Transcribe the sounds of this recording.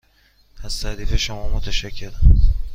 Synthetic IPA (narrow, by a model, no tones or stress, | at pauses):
æz̥t̪ʰæd̪iːfeʃomɒːmot̪ʰæʃæcʰːe̞ɾ